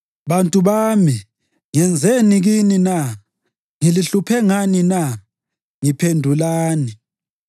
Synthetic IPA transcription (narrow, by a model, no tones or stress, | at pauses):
βantʼuβami | ŋɛnd͡zʱeniɣinina | ŋiliɬupʰɛŋanina | ŋipʰendʱulaːni